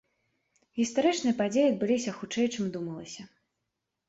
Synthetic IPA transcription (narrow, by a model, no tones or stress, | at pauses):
ɣʲist̪aɾɨt͡ʂnɨjɐpad͡zʲejiɐd̪̚bɨlʲisʲɐxut͡ʂɛjt͡ʂɨmd̪umɐlˠɐsʲɐ